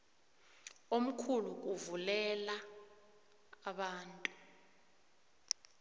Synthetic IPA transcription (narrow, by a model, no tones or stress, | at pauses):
om̩kʰuluʔuvulɛla | ɓaːntʼu